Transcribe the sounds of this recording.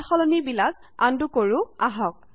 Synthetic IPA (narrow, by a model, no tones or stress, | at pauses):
xɔlɔnibilaz | andukoɹʊaɦɔk̚